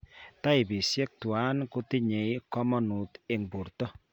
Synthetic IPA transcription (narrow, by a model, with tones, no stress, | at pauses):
ta˦ɪ˨bi˨sjɛ˦k̚twa˦nkʊ˦tɪ˦ɲe˨jkɔ˦mɔ˦nu˨tɪ˨ŋbu˨rtɔ˦